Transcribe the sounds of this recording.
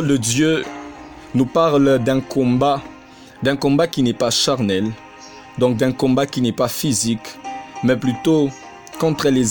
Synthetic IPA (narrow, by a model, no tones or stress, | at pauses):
ld̪əd̪jø | nupaʁld̪ɛ̃kɔ̃ba | d̪ɛ̃kɔ̃bakʲinɛpaʃaʁnɛl | d̪ɔ̃k̚d̪ɛ̃kɔ̃bakinɛpafizikmɛplyt̪o | kɔ̃t̪χəlez